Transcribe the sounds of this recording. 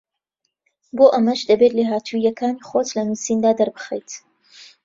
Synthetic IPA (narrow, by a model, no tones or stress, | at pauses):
boːʔɐmɐʒd̪ɐbet̪leːɦaːt̪ʰujɐkʰaːniːχot̪lɐnuːsiːnd̪aːd̪ɐɾbɨxejt̪